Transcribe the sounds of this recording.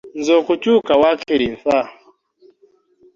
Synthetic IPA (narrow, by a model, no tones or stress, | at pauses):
nd͡zɔkut͡ʃukawakʰiɾinθa